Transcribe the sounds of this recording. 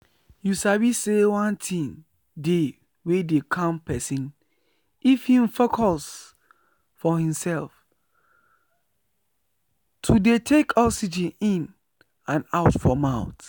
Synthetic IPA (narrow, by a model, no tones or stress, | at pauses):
jusawisewãntʰĩŋ | de | wedekʰãmpʰɛsĩn | ifhĩmfokʰɔs | fɔhĩmsɛlf | tʰudetʰekʰɔsid͡ʒĩnĩn | ãnaʊtfɔmãʊ̃t